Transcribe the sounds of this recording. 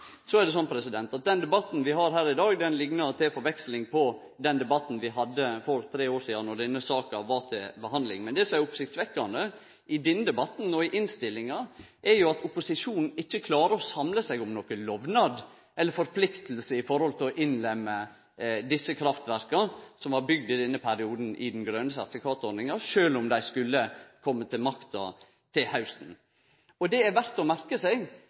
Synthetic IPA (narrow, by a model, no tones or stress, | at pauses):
sɔæɖɛs̬ɔnpʰɾɛsɪd̪ɛnt̪ɑt̪̚d̪ɛnd̪ɛbɑt̪n̩ʋɪɦɑɾɦæːɾɪd̪ɑːɡd̪ɛnlɪɡnəɑɾt̪ʰɛfɔɾʋɛkslɪŋpʰɔ | d̪ɛnd̪ɛbɑt̪ːn̩ʋɪɦɑd̪ːəfɔɾt̪ʰɾeːoːʂiːd̪ɑnɔɖɛnːəsɑːkɑʋɑt̪ʰɪlbəɦɑnd̪lɪ̰ŋmɛnd̪ɛsɔmæɾʊpʊsɪkt̪sʋɛkːɑnd̪ə | ɪd̪ɪnːd̪ɛbɑt̪ːn̩ɔɪʔɪnst̪ɪlːɪŋɑ | ʔɛɾjʊɑt̪ʊpʊsɪʂuːnn̩ɪçːəkʰlɑːɾəɔsɑmləsæɪɡʊmnɔkəlɔʋnɑd̪ | ɛlːəɾfɔɾpʰlɪkt̪lsəɪfɔɾhɔlt̪ʰɪlɔʔɪnlɛmːə | d̪ɪsːəkʰɾɑft̪ʋæɾkɑsɔmʋɑɾbʏɡd̪ɪd̪ɛnːəpʰæɾɪuːd̪n̩ʔɪ̰d̪n̩ɡɾøːnəsɑ̰t̪fɪkʰɑːt̪ɔɾɪŋɑʃøːlʊmd̪æɪskʉlːəkʰɔmːət̪ʰɪlmɑkt̪ɑ̰ | t̪ʰɪlhɑʉst̪n̩ | ɔd̪ɛæɾʋæɾt̪ɔmæɾkəsæɪɡ